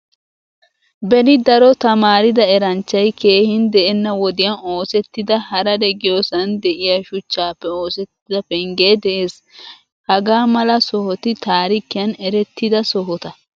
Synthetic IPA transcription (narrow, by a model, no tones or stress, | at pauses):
bɛnɪd̪ɐɾɔt̪ɐmaːɾɪd̪ɐɛɾɐnt͡ʃːɐjke̞ːhɪnd̪ɛʔɛnːɐwɔd̪ɪjɐno̞ːsɛt̪ːɪd̪ɐhɐɾɐd̪ɛɡɪjoːsɐnd̪ɛʔɪjaːʃʊt͡ʃːaːpːɛoːsɛt̪ːɪd̪ɐfɛŋɡeːd̪ɛʔeːs | hɐɡaːmɐlɐsɔhɔt̪ɪt̪aːɾɪkɪjɐnɛɾɛt̪ːɪd̪ɐsɔɦɔt̪ɐ